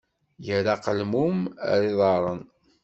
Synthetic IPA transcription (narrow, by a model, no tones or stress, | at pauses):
jəɾaqəlmumə̰ɾiðˤɑɾˤən